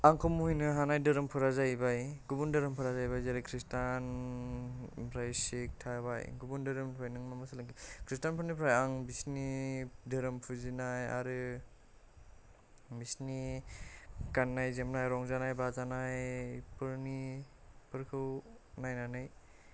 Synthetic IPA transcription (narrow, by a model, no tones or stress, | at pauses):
aŋkʰɔmuhujnɯɦanajdɯɾɯmpʰɯɾazajbajɡubundɯɾɯmpʰɯɾazajbajzaɾakʰɾistan | pʰɾajsek̚tʰaba̰jɡubundɯɾɯmpʰajnɯŋmamɯsalɯŋkikʰɾistanpʰɯɾnipʰɾajaŋbisnidɯɾɯmpʰuzinaja̰ɾɯ | bisni | kanːajzemnajɾɔŋzanajbazanajpɯɾnipɯɾkʰɯwnajnanaj